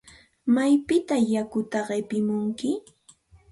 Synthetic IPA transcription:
majpɪt̪ajakʊt̪aɢepɪmʊŋkɪ

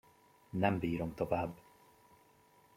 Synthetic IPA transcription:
nɛmbiːɾomt̪o̞vaːbː

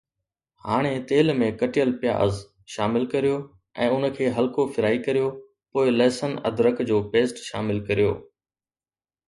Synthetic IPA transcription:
haːɽ̃et̪eːlmẽkɐʈijəlpɪja̰ːʔə̰z | ʃaːmɪlkɐɾijoː | ɛ̰̃ːʊnə̆kʰeːɦɐlkofɪɾaːikɐɾijo | poːɪlɛːsənɐ̰d̪ʱɾəkd͡ʑoːpeːsʈʃa̰ːmɪlkɐɾijo̰ː

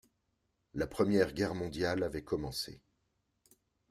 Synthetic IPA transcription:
lapχəmjɛʁɡʲɛʁmɔ̃d̪jalavɛkɔmɑ̃sḛ

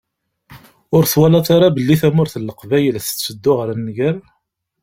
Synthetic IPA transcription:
ʊɾθwalɑt̪aɾabəlːiθæmʊɾθəlːəqvæjəlθə̥t͡sːəd̪ːʊʁəɾnːɡæɾ

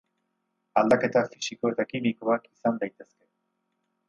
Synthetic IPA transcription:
ald̪ake̞t̪afisiko̞et̪akimiko̞akisand̪ajt̪e̞ske̞

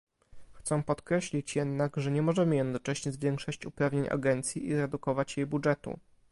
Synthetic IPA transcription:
xt̪sɛ̃pɔt̪kɾɛɕlʲit͡ɕjɛd̪naɡʐɛɲɛmɔʐɛmɘjɛd̪nɔt͡ʂɛɕɲɛzvʲjɛŋkʂɔɕt͡ɕupɾavɲeɲa̰ɡɛnt̪sʲjiʔizɾɛd̪ukɔvat͡ɕjɛjbudʐɛt̪ṵ

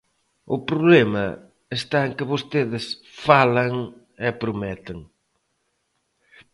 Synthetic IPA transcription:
ʊpɾoβlɛmɐ̰ | est̪aeŋkɪβost̪eðɪsfalɐŋ | ɛpɾomɛt̪ɪŋ

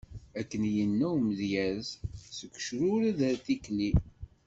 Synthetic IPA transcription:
ækːənjənːæwməðjæzsəkʷːʃɾʊɾæðæθikli

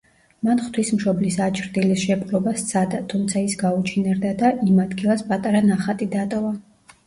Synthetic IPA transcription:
manχt̪ʰwismʃɔblisat͡ʃʰɾd̪ilisʃɛpqʼlɔbast̪sʰad̪at̪ʰumt̪sʰaisɡaut͡ʃʰinɛɾd̪ad̪aʔimad̪ɡilˠaspʼat̪ʼaɾanaχat̪ʼid̪at̪ʼɔva

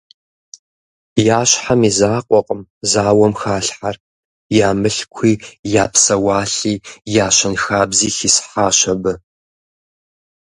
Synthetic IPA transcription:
jaːɕħamizaːqʷʼɔqʼəmzaːwɐmxaːɬħar | jaːmɨɬkʷʰiːjaːpʰsɐwaːɬiːjaːɕɐnxaːbziːxisħaːʃɐbɨ

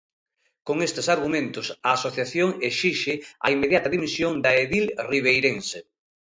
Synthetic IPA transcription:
koŋest̪esaɾɣumẽnt̪ʊsɐːsoθjaθjoŋeʃiʃɪɐ̰imːeðjat̪ɐðimisjoŋd̪ɐeðilriβ̞ejɾense

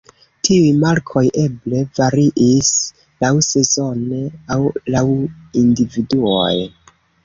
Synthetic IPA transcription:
tʰiujmaɾkʰo̞jʔe̞ble̞vaɾiʔis | lawse̞zo̞neawlawindividuo̞̰j

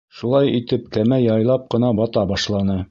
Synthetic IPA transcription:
ʃulˠɑjit̪ɘp̚kæmæjɑjlˠɑp̚qɤ̆nɑbɒt̪ɑbɑʃlˠɑnɤ

